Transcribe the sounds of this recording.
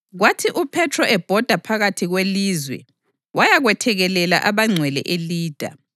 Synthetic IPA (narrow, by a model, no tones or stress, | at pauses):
ɣwatʰiʔupʰɛtʰrɔʔɛb̥ʱɔd̥ʱapʰaɣatʰiɣweliːzwɛ̰ | wajaɣwɛtʰɛɣɛlɛla̰ʔaβaŋ͡ǀʱwɛlɛ̰ʔeliːd̥ʱa̰